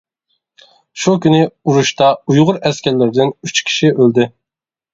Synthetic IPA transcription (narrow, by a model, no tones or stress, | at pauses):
ʃukʲynɪuɾuʃt̪ɑujʁʊɾɛskʲʰɛlːɪɾɪd̪ɪnyt͡ʃkʲʰi̥ʃiʔøld̪ɪ